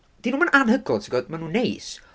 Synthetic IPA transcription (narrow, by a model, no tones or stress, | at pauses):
d̥inuːmənʔanhəɡɔtʰiɡɔdmanuːnːejs